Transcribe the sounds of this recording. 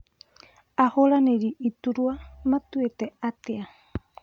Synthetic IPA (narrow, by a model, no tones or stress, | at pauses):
ahoɾaneɾiʔːt̪uɾuamat̪uet̪eat̪ea